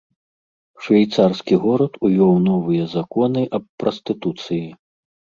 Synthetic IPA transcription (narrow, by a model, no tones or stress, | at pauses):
ʂvʲajt̪sarskʲiɣɔɾɐt̪ujʲɔwnɔvɨjɛzakɔnɨʔɐppːɾɔst̪ɨt̪ut̪sɨji